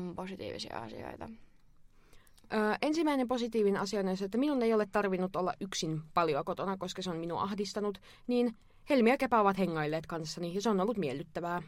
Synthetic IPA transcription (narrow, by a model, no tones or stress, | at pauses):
posit̪ḭːʋḭsḭɑ̰ɑ̰sḭo̰it̪ɑ̰ | ʔəːʔensimæinemposit̪iːʋineɑsiɑnensːet̪ːæminunejolet̪t̪ɑrʋinːut̪olːɑ̰ʔʔyksinpɑljoɑkot̪onɑkoskɑseonminṵʔɑhdist̪ɑnut̪ | niːn | helmiækepæːʋɑt̪heŋːɑilːeːt̪kɑnsːɑnijɑseonolːut̪mielːyt̪ːæʋæː